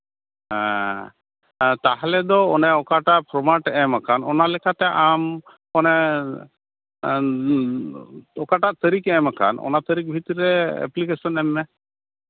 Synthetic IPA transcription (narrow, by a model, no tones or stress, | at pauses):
ɦɛ̃ | t̪aɦalɛd̪ɔɔnɛɔkaʈaʔpʰɾɔmaʈɛmakʰanɔnalɛkʰat̪ɛʔam | ɔnɛ | ɔkaʈaʔt̪əɾikɛ̃makʰa̰nɔ̰nat̪əɾik̚bʱit̪ɾɛɛ̰plikesɔnɛmːɛ